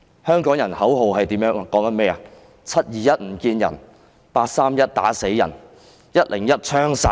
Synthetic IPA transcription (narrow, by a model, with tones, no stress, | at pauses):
hœː˥ŋkɔː˨˥ŋjɐ˨˩nhɐ˨˥wɦo˨wɦɐ˨jt̪iː˨˥mjœː˨˧˥ŋkɔː˨˥ŋt̪ɐ˥mɛː˥ɐ˨ | t͡sʰɐ˥t̚jiː˨jɐ˥t̚m̩˨˩kiː˧njɐ̰˨˩n | paː˧t̚saː˥mjɐ˥t̚t̪a̰ː˨˥se˨˥jjɐ˨˩n | jɐ˥t̚lɪ˨˩ŋjɐ˥t̚t͡ʃʰœː˥ŋsa˧˥